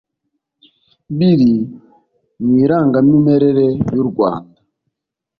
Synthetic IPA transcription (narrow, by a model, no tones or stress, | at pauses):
biɾi | ɲwiɾaŋɡamimɛɾɛɾɛjuɾɡwa̰ː